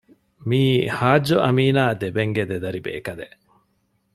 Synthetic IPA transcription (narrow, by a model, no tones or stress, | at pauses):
miːhaːd͡ʒːoʔɐmiːnaːd̪ebeŋɡed̪ed̪ɐɾibḛːkɐd̪eʔ